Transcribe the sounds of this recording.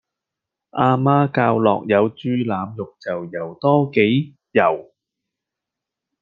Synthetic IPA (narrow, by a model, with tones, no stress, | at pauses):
ʔaː˧maː˥kaː˧wlɔ̰ː˨k̚jɐ˨˧wt͡ʃyː˧laː˨˧mjʊ˨k̚t͡sɐ˨wjɐ˨˩wt̪ɔː˥ke˨˥j | jɐ˨˩w